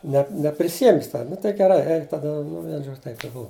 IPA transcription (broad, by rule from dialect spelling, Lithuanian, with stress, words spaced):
nʲɛ nʲɛpʲrʲɪˈsʲɪjɛmʲ ˈjɪs ˈtʲɛn nʊ tɐɪ ɡʲɛˈrɐɪ ˈɛɪk tɐˈdɐ nʊ ˈʋʲiɛn ˈʒoːt͡ʃʲ tɐɪp ɪ ˈbʊʋɐ